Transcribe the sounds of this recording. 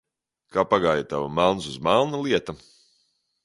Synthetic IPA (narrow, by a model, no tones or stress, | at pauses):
kaːpaɡaːjat̪avamalˠnsuzmalˠnalˠiɛt̪ɐ